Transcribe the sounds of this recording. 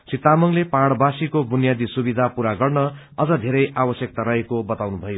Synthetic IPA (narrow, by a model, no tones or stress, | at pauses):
sit̪amʌŋlepaɽbasikobunjad̪isubid̪ʱapuɾaɡʌrnʌ | ʌd͡zʌd̪ʱeɾʌjabʌsjʌk̚t̪aɾʌɦekobʌt̪awnubʱʌjo